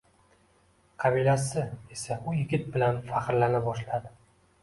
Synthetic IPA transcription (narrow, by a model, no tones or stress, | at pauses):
qʰɑbilasɪe̞saʊjɪɡʲɪt̪̚bɪlanfaqɾlanɪbɒʃlad̪ɪ